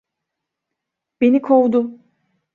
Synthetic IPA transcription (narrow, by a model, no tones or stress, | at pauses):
b̥enikʰowd̪ʊ